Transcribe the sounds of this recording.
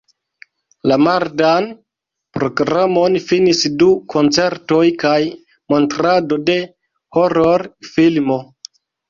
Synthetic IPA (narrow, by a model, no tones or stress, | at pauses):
lamaɾdan | pɾo̞ɡɾamo̞nfinisdukʰo̞nt͡se̞ɾto̞jkaj | mo̞ntɾado̞de̞ | hoɾoɾfilmo̞